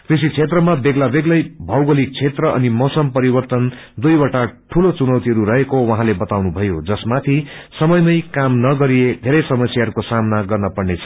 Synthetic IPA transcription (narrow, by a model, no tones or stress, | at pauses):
krisit͡sʰet̪rʌmabeɡlabeɡlʌjbʱʌwɡʌlik̚t͡sʰet̪rʌʔʌ̰nimosʌmpʌɾibʌrt̪ʌn | d̪ujwaʈaʈʰulot͡sunʌwt̪iɦʌɾuɾʌɦekowʌɦãlebʌt̪awnubʱʌjod͡zʌsmat̪ʰisʌmʌjmʌjkamnʌɡʌɾied̪ʱeɾʌjsʌmʌsjaɦʌɾukosamnaɡʌrnʌpʌrnet͡sʰʌ̥